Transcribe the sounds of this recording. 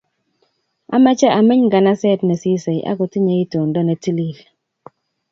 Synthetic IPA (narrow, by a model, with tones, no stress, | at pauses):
a̰˦ma˦t͡ʃɛ˦ʔa˨mɪ˦ɲɡa˨na˦sɛ˦˨tnɛ˨si˦se˨jʔa̰˦ɡɔ˨ti˦ɲe˦i˦to˨ndɔ˦nɛ˨ti˦li˦˨l